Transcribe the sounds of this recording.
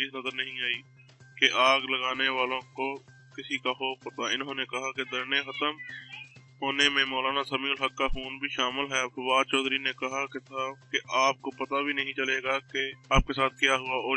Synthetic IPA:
iːsnɐzəɾnəɦĩaːiː | keʔaːɡləɡaːneʋaːlõko | kɪsikaɦopɐt̪aɪnɦõnekɐɦaked̪ɐɾnexət̪əm | ɦoːnemẽmɔːlaːnasəmiːlɦəkːaxuːnbʱiʃaːmɪlɦɛfɐʋaːd̪t͡ʃɔːd̪ʱɾinekɐɦaket̪ʰakeʔaːp̚kopɐt̪abʱinɐɦĩt͡ʃɐleːɡakeaːp̚kesaːt̪̚ʰkijaɦʊaɔː

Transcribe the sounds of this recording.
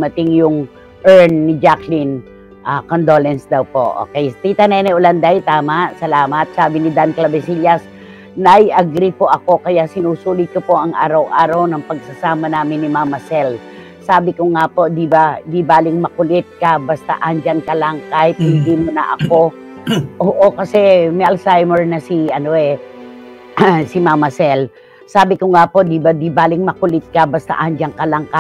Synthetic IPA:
mɐt̪ɪŋjʊŋ | ʔɛɹnnɪd͡ʒaklɪn | ʔakond̪olɛnsd̪ɐwpo̞ʔo̰ːkɛjt̪it̪ɐnɛnɛʔʊland̪ajt̪aːmaʔsɐlaːmɐt̪̚saːbɪnɪd̪anklɐbɛsiljɐs | nɐjʔɐɡɾipoʔɐko̞kɐjasɪnuːsuːlɪd̪̚kopo̞ʔɐŋʔaːɾɐwʔaːɾɐwnɐŋpɐɡ̚sɐsaːmɐnaːmɪnːɪmamɐsɛl | saːbɪkoŋapo̞d̪ɪbad̪ibaːlɪŋmɐkʊlɪt̪̚kɐbɐst̪a̰ʔɐnd͡ʒankɐlaŋkajt̪hɪnd̪imʊnɐ̰ʔɐ̰ko̞ | ʔoːʔokɐsɛmɛʔɐlsajmɛɹnɐsiɐnoɛ | sɪmamɐsɛl | saːbɪkoŋapo̞d̪ɪbad̪ibaːlɪŋmɐkʊlɪt̪̚kɐbɐst̪a̰ʔɐnd͡ʒaŋkɐlɐŋkaj

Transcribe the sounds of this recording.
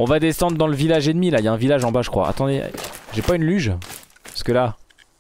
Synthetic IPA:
ɔ̃vad̪esɑ̃d̪ʁəd̪ɑ̃ləvilaʒed̪milajaɛ̃vilaʒɑ̃baʒəkχwa̰a̰t̪ɑ̃d̪ḛʒɛpaynlyʒ | pskəla

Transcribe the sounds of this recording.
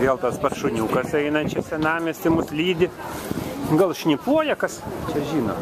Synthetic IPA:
ʋʲeːlˠt̪ɐspɐrʃʊnʲuːkɐsɛɪnɐt͡ʃʲɛsʲɛnɑːmʲɪst̪ɪmʊslʲiːd̪ʲɪ | ɡɐlˠʃʲnʲɪpuɔjɛkɐst͡ʃʲɛʒʲiːno̰ː

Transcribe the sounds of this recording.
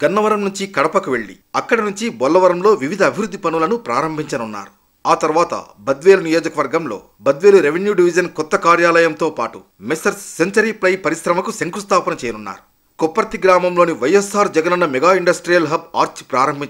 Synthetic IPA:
ɡ̥ɐnːɐʋɐɾɐmnuɲt͡ʃikɐɽɐpɐkuʋe̞ɭːḭ | ɐkːɐɽɐnuɲt͡ʃibɔlːɐʋɐɾɐmlo̞ːʋiʋid̪ʱɐɐbʱiʋɾud̪ʱːipɐnulɐnupɾaːɾɐmbʱiɲt͡ʃɐnunːa̰ːɾu | aːt̪ɐɾuʋaːt̪ɐ̰bɐd̪ʋeːlunijoːd͡ʒɐkɐʋɐɾɡɐmlo̞̰ː | bɐd̪ʋe̞ːluɾeʋenjuɖiʋid͡ʒɐnkɔt̪ːɐkaːɾjaːlɐjɐmt̪o̞ːpaːʈu | mesɐɾːeɲt͡ʃɐɾiplɐjpɐɾisɾɐmɐkuseŋkust̪aːpɐnɐt͡ʃɛːjɐnunːa̰ːɾu | kɔpːɐɾɐt̪iɡɾaːmɐmlo̞ːniʋɐjesaːɾd͡ʒɐɡɐnɐnːɐmɛɡaːiɳɖɐsʈɾijɐlɦɐb̚aːɾt͡ʃpɾaːɾɐmbʱi

